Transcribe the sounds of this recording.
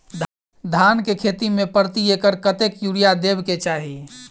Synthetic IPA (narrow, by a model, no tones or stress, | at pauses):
d̪ʱ | d̪ʱankekʰet̪imẽpəɾt̪iekəɾkət̪ekjuɽijad̪ebket͡ʃaːɦi